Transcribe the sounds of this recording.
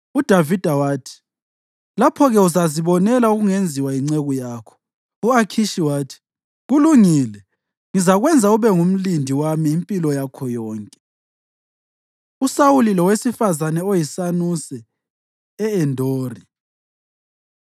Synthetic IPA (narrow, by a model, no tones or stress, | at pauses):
ud̥ʱavid̥ʱawaːtʰi̥ | lapʰɔɣɛuzaziβɔnɛlauɣuŋend͡zʱiwaiŋ͡ǀɛɣujaːkʰɔ̥ | uakʰiʃiwaːtʰi̥ | ɣuluŋiːlɛ | ŋizaɣwɛnd͡zʱauβɛŋum̩lindʱiwamiːmpʼilɔjakʰɔjɔːŋkʼɛ̥ | usawulilɔwesifazanɛojisanusɛː | ɛndʱoːri